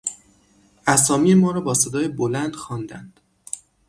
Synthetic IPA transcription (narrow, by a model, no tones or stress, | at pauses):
ʔæsɒːmijemɒːɾɒːbɒːsed̪ɒːjebolænd̪̥xɒːnd̪ænd̪̥